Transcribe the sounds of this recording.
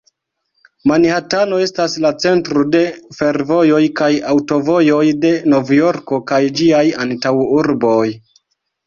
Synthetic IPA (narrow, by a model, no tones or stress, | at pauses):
manhatano̞e̞staslat͡se̞ntɾode̞fe̞ɾvo̞jo̞jkajawto̞vo̞jo̞jde̞no̞vjo̞ɾko̞kajd͡ʒiajantawuɾbo̞j